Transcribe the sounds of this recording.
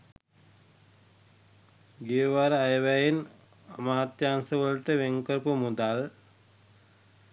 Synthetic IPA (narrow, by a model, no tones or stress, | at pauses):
ɡeəʋaɾəajəʋæjin | amaːt̪jansəʋəlʈəʋeŋkəɾpumud̪al